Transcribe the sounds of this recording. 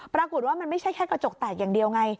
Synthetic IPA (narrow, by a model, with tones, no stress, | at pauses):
pɾaː˧ko˨˩t̪̚waː˥˩ma˧nma˥˩jt͡ɕʰa˥˩jkʰɛː˥˩kɾa˧t͡ɕo˨˩k̚t̪aː˨˩t̪̚jaː˨˩ŋdi˧əwŋa˧j